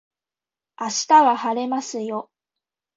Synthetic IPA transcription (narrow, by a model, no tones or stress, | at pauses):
aɕi̥t̪aɡahaɾe̞masɨjo̞